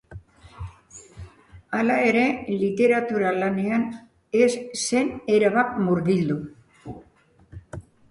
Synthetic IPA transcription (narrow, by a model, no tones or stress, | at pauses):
alae̞ɾe̞lit̪e̞ɾat̪uɾalane̞an | esːe̞ne̞ɾaβakmuɾɣild̪u